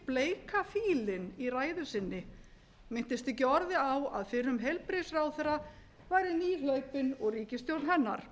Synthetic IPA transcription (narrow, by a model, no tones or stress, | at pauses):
pleːjkʰafiːlɪniraːjðʏsɪnːɪ | mɪn̥t̪ɪst̪ɛcɪɔɾðɪawa̰ðfɪɾʏmɦelpɾesraːwθɛra | vaːjɾɪniːlœɥpʏnɔɣriːcɪst̪jowlnɦɛnːa̰ɾ̥